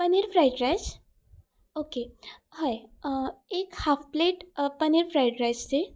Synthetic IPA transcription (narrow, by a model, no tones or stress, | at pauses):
pəniɾpʰɾajʈɾajs | okehaj | ekhapʰpleʈpəniɾpʰɾajʈɾajsse